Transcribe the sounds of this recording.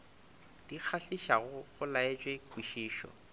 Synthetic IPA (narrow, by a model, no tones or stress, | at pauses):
d̥ik͡xʰaɬiʃaɣʊɣʊlaet͡ʃʼwekʼwiʃiːʃɔ̰